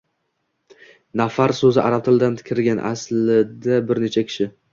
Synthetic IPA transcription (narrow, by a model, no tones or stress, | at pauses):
nafaɾsɵzɪʔaɾap̚t̪ʰɪlˠd̪ant̪ʰɪ̥kʲʰɾɪɾɡʲanʔa̰slɪd̪abɪɾne̞t͡ʃʰakʲʰɪ̥ʃɪ